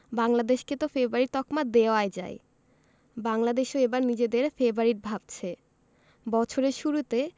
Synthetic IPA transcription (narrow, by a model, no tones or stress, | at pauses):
baŋlad̪eʃket̪ofeboaɾiɾt̪ɔkmad̪eoaed͡ʑa̰e | baŋlad̪eʃoebaɾnid͡ʑed̪eɾfebaɾiʈ̚bʱabt͡ɕʰe | bɔt͡ɕʰoɾeɾʃuɾut̪e